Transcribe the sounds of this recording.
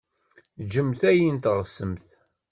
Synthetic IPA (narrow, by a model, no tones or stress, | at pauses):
d͡ʒəmθæjint̪ʁəsəmθ